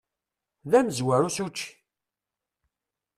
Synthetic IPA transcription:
ðæmzwæɾusut͡ʃː

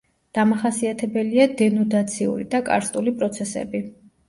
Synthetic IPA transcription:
d̪̥amaχasiat̪ʰɛbɛliad̪ɛnɔd̪at̪sʰiṵɾḭd̪akʼa̰ɾst̪ʼulipʼɾɔt̪sʰɛsɛ̰bi

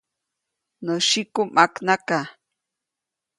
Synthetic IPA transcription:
noʃikʊmʔaknaka

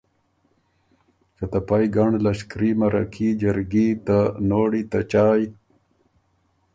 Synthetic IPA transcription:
kat̪apajɡaɳlaɕkɾimaɾa̰kʰid͡ʒəɾɡit̪anoːɽit̪at͡ʃaːj

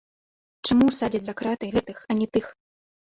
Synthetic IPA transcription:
t͡ʂamusad͡zʲɐd͡zʲzakɾat̪ɨɣɛt̪ɨxɐnʲɛt̪ɨx

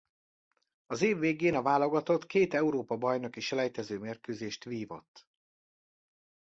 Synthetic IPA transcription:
ɒzeːvːeːɡeːnɒvaːlo̞ɡɒt̪o̞t̪keːt̪ɛuɾoːpɒbɒjno̞kiʃɛlɛjt̪ɛzøːmeːrkøːzeːʃt̪ʋiːvo̞̰t̪ː

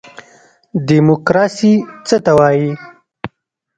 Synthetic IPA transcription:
d̪imʊkɾɑsit͡sət̪awɑji

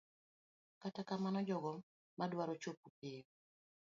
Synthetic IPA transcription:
katakamanɔd͡ʒɔɡɔ | madwaɾɔt͡ʃopupio

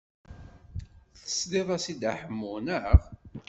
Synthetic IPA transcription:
θə̥sliðˤæsid̪aħəmːunəʁ

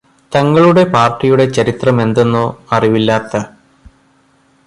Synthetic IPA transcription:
t̪ɐŋːɐɭuɽe̞paːrʈːijuɽe̞t͡ɕɐɾit̪rɐme̞nd̪e̞nːuɐriʋilːaːt̪ːɐ

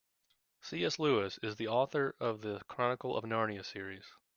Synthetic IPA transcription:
siɛslʉɪsɪzðiɔθə˞ʔʌvðɨkʰɹ̥ɑnəkl̩ˠə̰vnɑɹniɨsɪɹiz̥

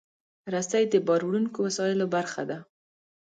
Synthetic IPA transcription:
ɾasajd̪əbɑɾwɽunkowasɑɪlobaɾxa̰d̪a

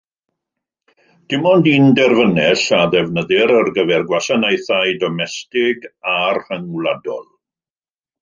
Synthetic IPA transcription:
d̥ɪmɔndindɛrvənɛɬaðɛvnəðɪɾərɡəvɛrɡwasanajθaɨdɔmɛstɪɡarhəŋwlˠadɔ̰lˠ

